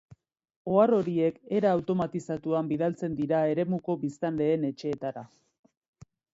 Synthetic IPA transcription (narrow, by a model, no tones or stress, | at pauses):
o̞aro̞ɾie̞ke̞ɾaːwt̪o̞mat̪isat̪uambiðalt͡se̞nd̪iɾae̞ɾe̞muko̞βist̪anle̞ːne̞t͡ʃe̞ːt̪aɾa